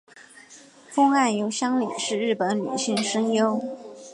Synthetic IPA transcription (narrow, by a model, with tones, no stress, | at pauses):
fɤ˥ŋa˥˩njo˧˥ʊɕjɑ˥ŋli˨˩ʂɻ̩˥˧ɻɻ̩˥˩pə˧˥nly̰˨˩ɕi˥˩ŋʂɤ˥ŋjo˥ʊ